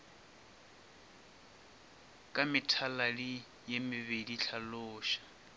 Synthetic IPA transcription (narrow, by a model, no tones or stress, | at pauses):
kʼamɪtʰalalɪ | jemɪβediɬʰalʊːʃḁ